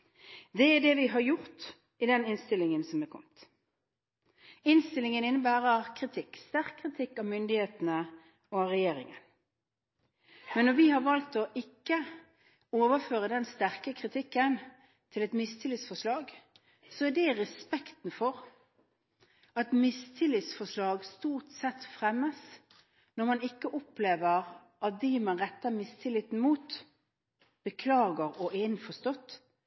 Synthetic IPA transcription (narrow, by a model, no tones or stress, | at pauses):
d̪ɛæɖɛʋɪɦɑɾjʊɾt̪ | ɪd̪ɛnɪnst̪ɪlɪŋənsɔmɛkʰɔ̰mt̪ | ɪnst̪ɪlɪŋənɪnːəbæːʁəkʰʁɪt̪ʰɪkːst̪æʁkʰːʁɪt̪ʰɪkːɑʋmʏnd̪ɪheːt̪ənə | ɔʁɛjeːɾɪ̰ŋə̰n | mɛnːɔʋɪhɑɾʋɑlt̪ɔʔɪkːə | oːʋəføːʁəd̪ɛnst̪æʁkəkʰɾɪt̪ʰɪkːən | t̪ʰɪlɛt̪mɪst̪ʰɪlɪt̪sfɔʂlɑːɡ | sɔɛd̪ɛʁɛspɛkt̪n̩fɔʁ | ɑt̪mɪst̪ʰɪlɪt̪sfɔʂlɑːɡst̪uːʁt̪sɛt̪ːfʁɛmːəs | nɔɾmɑnɪkːəʔɔpleːʋəʁ | ʔɑt̪̚d̪ɪmɑnʁɛt̪ːəmɪst̪ʰɪlɪt̪n̩muːt̪ | b̥əkʰlɑːɡəɾɔʔɛɪnfɔst̪ɔt̪ː